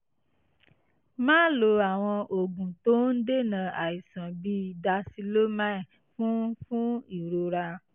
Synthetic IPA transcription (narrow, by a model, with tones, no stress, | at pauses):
mãː˦lo˧a˨w̃ɔ̃˧ʔo˨ɡũ˨to˦n̩˦de˦nã˨a˨i˨sã˨bi˦˨da˧si˧lo˦ma˦˨ | fũ˦fũ˦i˨ɾo˧ɾa˧